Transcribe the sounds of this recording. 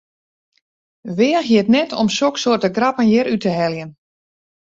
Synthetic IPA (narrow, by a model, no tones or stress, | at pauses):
ʋɪːəxjiətnɛtʰo̰msoksoərtəɡrapənjɛɾytəɦɛljən